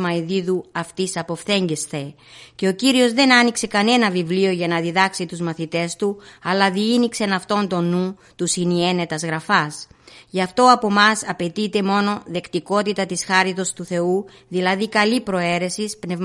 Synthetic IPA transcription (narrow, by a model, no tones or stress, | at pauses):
mɐiðiðuɐft̪isɐpo̞fθe̞ɲɟesθe̞ | ce̞o̞ciɾio̞zðe̞nɐnikse̞kɐne̞nɐvivlio̞ʝɐnɐðiðɐksit̪uzmɐθit̪e̞st̪uɐlɐðiinikse̞nɐft̪o̞nt̪o̞nu | t̪usinie̞ne̞t̪ɐzɣɾɐfɐsʝɐft̪o̞ɐpo̞mɐsɐpe̞t̪it̪e̞mo̞no̞ðe̞kt̪iko̞t̪it̪ɐt̪isxɐɾit̪o̞st̪uθe̞u | ðilɐðikɐlipɾo̞e̞ɾe̞sispne̞v